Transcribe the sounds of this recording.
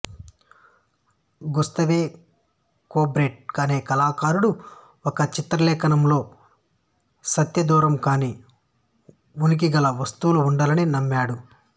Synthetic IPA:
ɡust̪ɐʋeː | koːbɾe̞ːʈ̚kaːneːkɐlaːkaːɾuɽu | ɔkɐt͡ʃit̪ɾɐlɛːkɐnɐmlo̞ː | sɐt̪jɐd̪uːɾɐmkaːni | unik̬iɡɐlɐʋɐst̪uluːɳɖɐlɐninɐmːaːɽu

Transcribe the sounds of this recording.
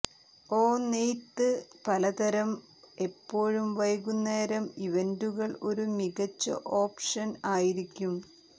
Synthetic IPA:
o̞ːniːt̪ːɨpɐlɐd̪ɐɾɐm | e̞pːo̞ːɻumʋɐjɣunːeːɾɐmiʋenduɣɐɭo̞ɾumiɣɐt͡ɕːɐ̰ʔo̞ːpʂɐnaːjiɾikʲːum

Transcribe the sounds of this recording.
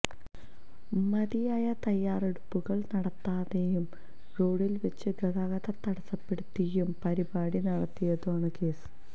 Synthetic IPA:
mɐðijaːjɐt̪ɐjːaːreɽupːuɣɐɭnɐɽɐt̪ːaːðejum | roːɽilʋɐt͡ɕːɨɡɐðaːɣɐðɐt̪ːɐɽɐsɐpːeɽut̪ːijumpɐɾibaːɽinɐɽɐt̪ːijɐðuaːɳɨke̞ːsɨ̥

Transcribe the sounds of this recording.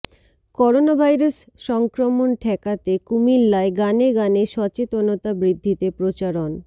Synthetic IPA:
kɔɾonabʱajɾasʃɔŋkɾomonʈʰɛkat̪ekumilːaeɡaneɡaneʃɔt͡ɕet̪onot̪abɾid̪ʱːit̪epɾot͡ɕaɾon

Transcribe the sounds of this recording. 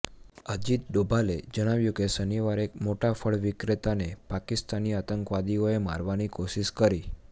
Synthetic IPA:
əd͡ʒit̪̚ɖobʱaled͡ʒəɽ̃aʋjũkesəniʋaɾekmoʈafʰəɭʋɪkɾet̪anepakist̪aniat̪əŋkʋad̪ioema̰ɾʋanikoʃiʃkəɾi

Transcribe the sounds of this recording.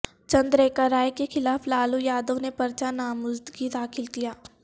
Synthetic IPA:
t͡ʃɐ̃nd̪ɾeːkaɾaːjkexɪlaːflaːlujaːd̪õnepɐɾt͡ʃanaːmʊzd̪ɡid̪aːxɪlkijaː

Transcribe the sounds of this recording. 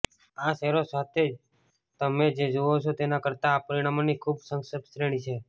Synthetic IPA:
aʃɛɾosat̪ʰed͡ʒ | t̪əmed͡ʒed͡ʒoot͡ʃʰot̪enakəɾt̪aːpəɾiɽ̃amonikʰubsəŋsəbsɾeɽ̃it͡ʃʰe

